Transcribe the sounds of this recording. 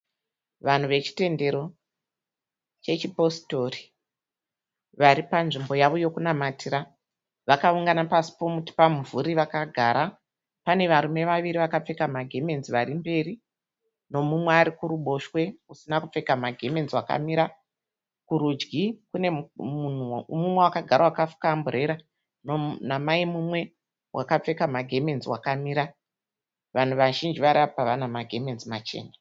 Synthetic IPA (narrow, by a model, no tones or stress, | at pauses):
ʋan̤uʋe̞t͡ʃi̥te̞nde̞ɾo̞ | t͡ʃe̞t͡ʃipo̞sto̞ri | ʋaɾipanʐimbo̞jaʋo̞jo̞kunamatiɾa | ʋakauŋɡanapasi̥po̞muti̥pamuvʱuɾiʋakaɡʱaɾa | pane̞ʋaɾume̞ʋaʋiɾiʋakap͡fe̞kamaɡʱe̞me̞nziʋaɾimbe̞ri | no̞mumweaɾikuɾuɓo̞ʃwe̞usinakup͡fe̞kamaɡʱe̞me̞nzwaka̰miɾa | kuɾud͡ʒɡikune̞un̤umumwewakaɡʱaɾawakafu̥kambuɾe̞ɾa | nonamaimumwe̞ | wʔakap͡fe̞kamaɡʱe̞me̞nziwakamiːɾa | ʋan̤uʋaʒind͡ʒiʋaɾiapaʋanamaɡʱe̞me̞nzimat͡ʃe̞̰ːna